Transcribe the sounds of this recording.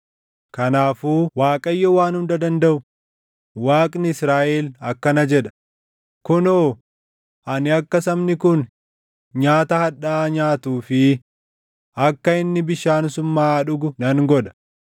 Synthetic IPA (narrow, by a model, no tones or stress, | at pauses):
kɐnaːfuːwaːkʼɐjːɔwaːnʊnd̪ɐd̪ɐnd̪ɐʔʊ | waːkʼnɪɪsɾaːʔɛlɐkːɐnɐd͡ʒɛᶑɐ̥ | kʊnoː | ʔɐnɪɐkːɐsɐmnɪkʊn | ɲaːt̪ɐhɐᶑaːɲaːt̪uːfɪ | ɐkːɐɪnːɪbɪʃaːnsʊmːaːᶑʊɡʊnɐŋɡɔᶑɐ̥